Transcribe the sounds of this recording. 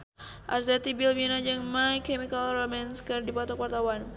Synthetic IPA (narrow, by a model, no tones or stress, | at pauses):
ʔa̰rzɛt̪ibilbinad͡ʒaŋmajkɛmikalromɛnskərdipat̪ɔkwart̪awan